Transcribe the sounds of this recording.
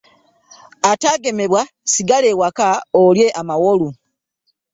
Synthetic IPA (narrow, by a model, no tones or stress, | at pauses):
ataɡe̞me̞βwa | siɡalewakaolje̞ʔamawolu